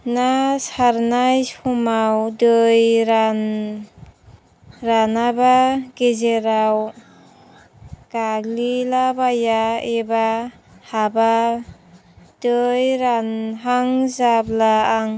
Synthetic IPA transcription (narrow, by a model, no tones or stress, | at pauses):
nasaɾnajsumawdɯjɾan | ɾanabaɡezeɾaw | ɡ̥aɡlilabajaeba | haba | d̥ɯjɾanɦaŋzablaːŋ